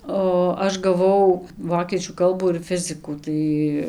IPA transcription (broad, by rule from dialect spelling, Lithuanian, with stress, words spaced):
oː ˈɐʃ ɡɐˈʋɐʊ ˈʋoːkʲiɛt͡ʃʲuː ˈkɐlˠbuː ɪr ˈfʲɪzʲɪkuː ˈtɐɪ